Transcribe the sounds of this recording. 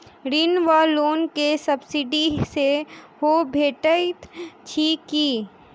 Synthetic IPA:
ɾinʋaːloːnkesɐbsiɖiseɦobʱeːʈət̪t͡ʃʰiki

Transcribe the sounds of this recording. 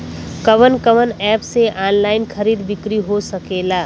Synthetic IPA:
kəʋənkəʋənɛːpseʔaːnlaːɪnkʰəɾiːd̪bɪkɾiɦosəkeːlaː

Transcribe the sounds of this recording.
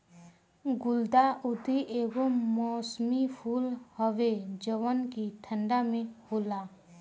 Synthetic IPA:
ɡʊld̪aʔʊd̪iʔeːʋəmmɔːsmipʰuːlhəʋed͡ʒəʋənkit̪ʰə̃ɳɖamẽɦoːlaː

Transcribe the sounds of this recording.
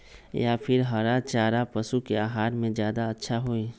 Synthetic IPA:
japʰɪɾɦaɾat͡ʃaːɾapɐsukeaːɦaːɾmẽzjaːd̪aɐtːʃʰaɦoeː

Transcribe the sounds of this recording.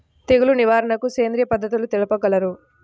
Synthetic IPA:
t̪eɡuluniʋaːɾɐɳɐkuseːnd̪ɾijɐpɐd̪ːɐt̪̬ulut̪elɐpɐɡɐlɐɾu

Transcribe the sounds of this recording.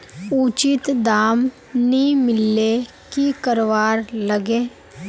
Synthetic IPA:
uːt͡ʃɪt̪d̪aːm | nimɪlːe | kikəɾʋaːɾləɡẽː

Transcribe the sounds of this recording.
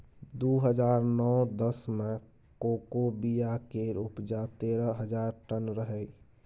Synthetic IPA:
d̪uɦəd͡ʒaɾnɔwd̪əsme | kokobijakeɾupd͡ʒat̪eɾəɦəd͡ʒaɾʈənɾəɦəj

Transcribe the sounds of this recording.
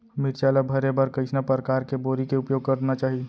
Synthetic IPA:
miɾt͡ʃaləbʱəɾebəɾkəɪt͡ʃʰnapəɾəkaːɾkeboɾikeʊpjoːuɡ̚kəɾd̪enat͡ʃaːɦi

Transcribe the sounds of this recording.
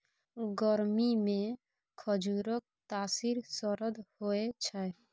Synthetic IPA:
ɡɔɾmimẽ | kʰɔd͡ʒuɾɔk̚t̪aːsiɾsɔɾɔd̪hoet͡ʃʰae

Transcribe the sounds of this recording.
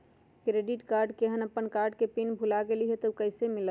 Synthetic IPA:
kɾeɖiʈkaɾɖkeɦənəpːənkaɾɖkepinbʱulaɡeliɦɛt̪əkəɦsemilə

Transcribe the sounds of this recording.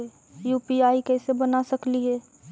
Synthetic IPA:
juːpiaːikɛːsebənasɐkliɦɛː

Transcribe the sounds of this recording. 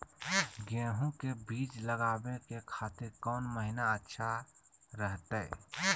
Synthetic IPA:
ɡɛ̃ːɦũkebiːt͡ʃləɡaːbekekʰaːt̪ɪɾkɔːnməɦinaətːʃʰa | ɾəɦt̪ɛ

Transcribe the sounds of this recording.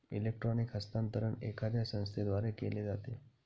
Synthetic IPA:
ilek̚ʈɾɔnikɦəst̪ant̪əɾəɳekʰad̪jasə̃ñst̪ʰed̪ʋaɾekeled͡zat̪e

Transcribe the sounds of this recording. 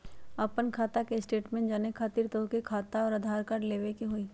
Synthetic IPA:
əpənkʰaːt̪akesʈeːʈmẽɳʈd͡ʒaːnekʰaːt̪iɾt̪əkekʰaːt̪aɔːɾɐd̪ʱaːɾkaɾleːʋekeɦoːiː

